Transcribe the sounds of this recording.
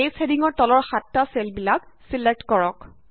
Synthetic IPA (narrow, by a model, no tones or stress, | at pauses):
ejsediŋɔɹtɔlɔɹxatːaselbilak̚ | silek̚tkɔɹɔk